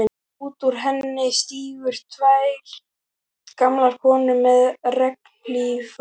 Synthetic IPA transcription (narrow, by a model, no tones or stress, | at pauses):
uːt̪uɾ̥ɦɛnːɪst̪iːvʏɾ̥t̪ʰvaj | kamlaɾ̥kʰɔːnʏmːɛðrɛk̚nlif